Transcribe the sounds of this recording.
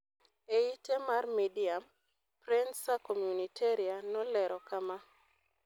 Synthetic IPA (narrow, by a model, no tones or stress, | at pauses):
eitemarmidiam | pɾɛnsakomjunitʰeɾianɔlɛɾɔkama